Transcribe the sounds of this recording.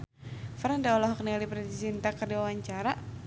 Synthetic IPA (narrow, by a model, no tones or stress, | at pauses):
fɾandaɔlɔɦɔknialipɾadisint̪akərdiwawaɲt͡ʃaɾa